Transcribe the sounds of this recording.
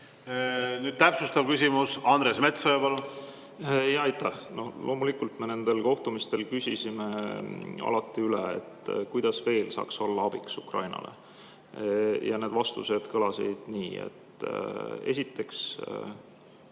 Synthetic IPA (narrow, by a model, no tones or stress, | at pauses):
nyd̥̪̚t̪æpsust̪ɑvkysʲimusɑnɾesme̞t̪soɑpɑlo | jɑjt̪ːæhno̞lʔo̞ːmulikːult̪me̞ne̞nd̪̥e̞lko̞ht̪umist̪e̞lkysʲisime̞ | ɑ̰lɑt̪ˑːiyleḛt̪ːkujd̪̥ɑsve̞ːlsɑ̰ːkso̞lːɑɑb̥iksukrɑ̰jnɑ̰le̞̰ | jɑne̞d̪̥vɑst̪use̞d̪̥kɤlɑsḭd̪̥niːḛt̪ː | e̞̰sʲit̪ːe̞ks